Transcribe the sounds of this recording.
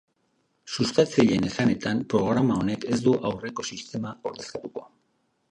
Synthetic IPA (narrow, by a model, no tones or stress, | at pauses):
sust̪at͡seʎe̞ne̞sane̞t̪ampɾo̞ɣ̞ɾamao̞neke̞zd̪uʔawre̞ko̞sist̪e̞mao̞ɾðe̞st̪at̪uko̞